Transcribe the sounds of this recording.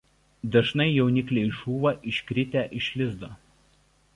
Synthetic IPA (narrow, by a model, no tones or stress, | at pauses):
d̪ɐʒnɐɪjɛʊnʲɪklʲeɪʒuːʋɐʔɪʃʲkɾʲɪt̪ʲæːˑʔɪʃʲlʲɪzd̪oː